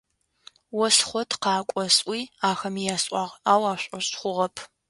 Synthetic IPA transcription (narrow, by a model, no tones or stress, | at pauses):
wɔsχʷɔtʰqɑːkʷʼɔsʼʔʷiːaːxɐmijaːsʼʷɑːʁaːwaːɕʷʼɔɕʼχʷʊʁɐpʰ